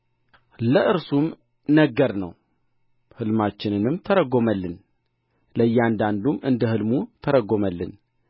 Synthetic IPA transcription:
ləʔɨɾsum | nəɡəɾnə̰w | hɨlmat͡ʃːɪnɨnɨmt̪ʰəɾəɡːo̞məlːɨn | ləjːɛand̪and̪umɨnd̪əhɨlmut̪ʰəɾəɡoməlːɨ̰n

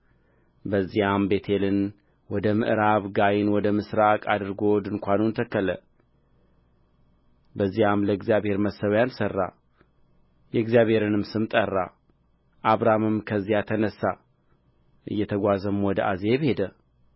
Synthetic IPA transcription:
bəzːihambe̞t̪ʰe̞lɨn | wɔd̪əmɨ̰ʔɾaβɡajɪnwɔd̪əmɨsɾakʼad̪ɨɾɡo̞d̪ɨŋkʷanunt̪ʰəkːələ̰ | bəzːijamləɨɡzijaβhe̞ɾməsəβjansərːa̰ | jɛɡzijaβhe̞ɾɨnɨmsɨmt̪ʼərːa | ʔaβɾamɨmkʰəzːijat̪ʰənəsːa | ʔɨ̰jːɛt̪ʰəɡʷazəmwɔd̪əʔaze̞βhe̞d̪ə

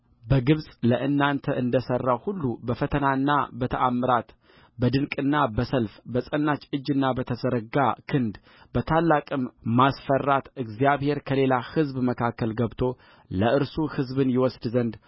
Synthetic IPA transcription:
bəɡɨβsʼləʔɨnːant̪ʰəʔɨnd̪əsərːawhulːubəfət̪ʰənaɨnːa̰bət̪ʰəʔamːɨɾat̪ | bəd̪ɨnkʼɨnːabəsəlfbəsʼənːat͡ʃʼɨd͡ʒːɨnːabət̪ʰəzəɾəɡa̰kʰɨnd̪ | b̥ət̪ʰalːakʼɨmmasfərːat̪ɨɡzijaβhe̞ɾkʰəle̞lahɨzbməkʰakːəlɡəβt̪ʰo̞ | ləʔɨɾsuhɨzbɨnjɪwɔsd̪zənd̪

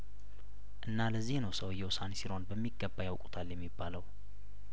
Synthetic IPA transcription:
ʔɨnːaləzːihnəwsəwjːɛwʊsansiɾo̞nbəmːiɡːəbːajawkʼu̥t̪ʰaljɛmːibːaləw

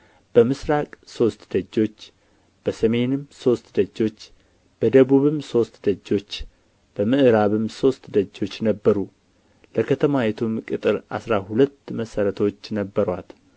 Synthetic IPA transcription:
b̥əmɨsɾakʼso̞st̪d̪̥əd͡ʒːo̞t͡ʃː | b̥əsəme̞nɨmːso̞st̪d̪əd͡ʒːo̞t͡ʃː | b̥əd̪əβuβɨmso̞st̪d̪əd͡ʒːo̞t͡ʃː | b̥əmɨʔɨɾaβɨmso̞st̪d̪əd͡ʒːo̞t͡ʃːnəbːəɾu | ləkʰət̪ʰəmajɛt̪ʰumkʼɨt̪ʼɨɾʔa̰sɾahulət̪ːməsəɾət̪ʰo̞t͡ʃːnəbːəɾwat̪

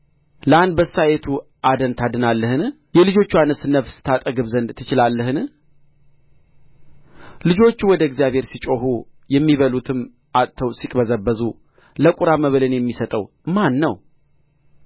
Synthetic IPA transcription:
ləand̪̚bəsːajet̪ʰu | ʔad̪ənt̪ʰad̪ɨnalːəhɨn | jɛlɨd͡ʒo̞t͡ʃːuanəsɨnːəfsɨ̥t̪ʰat̪ʼəɡɨβzənd̪t̪ʰːɨt͡ʃɪlalːəhɨn | lɨd͡ʒo̞t͡ʃːuwɔd̪əɡzijaβhe̞ɾsit͡ʃʼo̞hu | jɛmːiβəlut̪ʰɨm | ʔat̪ʼt̪ʰːəwsikʼbəzəbːəzu | ləkʼuɾaməβəlɨnjɛmːisət̪ʼəw | manːəw

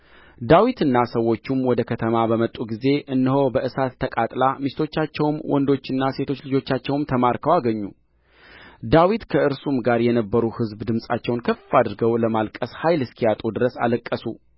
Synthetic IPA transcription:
d̪awit̪ɨnːasəwːo̞t͡ʃːumwɔd̪əkʰət̪ʰəmabəmət̪ʼːuɡize̞ʔɨnːəɦo̞bəʔɨsat̪ʰːəkʼat̪ʼlamist̪ʰo̞t͡ʃːat͡ʃːɛwmwʔɔ̰nd̪o̞t͡ʃːɨnːase̞t̪ʰo̞t͡ʃːlɨd͡ʒo̞t͡ʃːat͡ʃːɛwmt̪ʰəmaɾkʰəwaɡəɲːu | d̪awit̪kʰəɨɾsumɡaɾjɛnəbːəɾuhɨzbd̪ɨmsʼat͡ʃːɛwnkʰəfad̪ɨɾɡəwləmalkʼəshajlɨskʰijat̪ʼud̪ɨɾəsa̰ləkʼːəsu

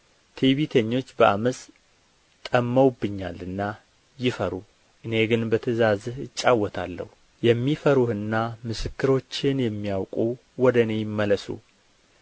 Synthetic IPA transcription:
t̪ʰeβit̪ʰəɲːo̞t͡ʃːbəʔaməs | t̪ʼəmːəwbːɨɲːalɨnːa | jɪfəɾu | ʔɨne̞ɡɨnbət̪ʰəzazhɨt͡ʃʼːawːɔt̪ʰalːə̰hu | jɛmːifəɾuhɨnːamɨsɨkːɨɾo̞t͡ʃːɪnjɛmːijawkʼu | wɔd̪əne̞jɪmːələsṵ

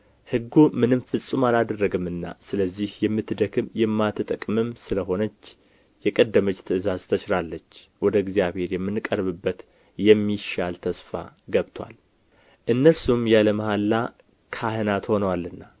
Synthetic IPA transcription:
hɨɡːumɨnɨmfɨsʼumalad̪ərːəɡɨmɨnːa̰sɨləzːihjɛmːɨt̪ːd̪əkʰɨmjɛmːat̪ɨt̪ʼəkʼmɨmsɨləɦo̞nət͡ʃː | jɛkʼəd̪ːəmət͡ʃt̪ʰɨɨzazt̪ʰət͡ʃɾalːət͡ʃːwɔd̪əɛɡzijaβhe̞ɾjɛmːɨnkʼəɾβɨbːət̪ | jɛmːiʃalt̪ʰəsfa̰ɡəβt̪ʰwa̰l | ʔɨnːəlsumjaləməhalːa | kʰahɨnat̪ho̞nəwalːɨnːa

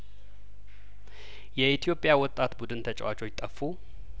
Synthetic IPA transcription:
jɛit̪ʰijo̞pʼjawɔt̪ʼːat̪bud̪ɨnt̪ʰət͡ʃʼɛ̰wat͡ʃʰo̞t͡ʃːt̪ʼəfːu

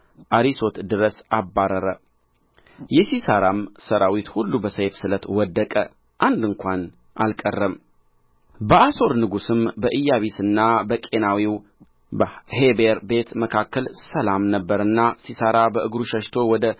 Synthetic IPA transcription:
ʔaɾiso̞t̪d̪ɨɾəsabːaɾəɾə | jɛsisəɾamsəɾawit̪hulːubəsəjfsɨlət̪wɔd̪ːəkʼə | ʔand̪ɨŋkʷʰan | ʔa̰lkʼərːəm | bəʔaso̞ɾnɨɡusɨmbəʔɨjːaβisɨnːabəkʼe̞nawiw | bəhebeɾbe̞t̪məkʰakːəlsəlamnəbːəɾɨnːasisəɾabəʔɨɡɾuʃəʃt̪ʰo̞wɔd̪ə

